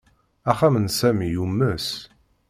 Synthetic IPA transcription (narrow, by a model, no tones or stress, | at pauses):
æχæmənsæmijumːəs